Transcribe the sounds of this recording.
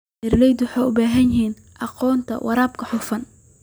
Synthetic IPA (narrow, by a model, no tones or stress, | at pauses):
ɪɾlɛjd̪ʊħɑːʊbaːɦɐnjɪɦiːn | ʔɑqɔːnt̪ʰɐ̰wʔɑ̰ɾaːb̚kʰɐħʊfɐn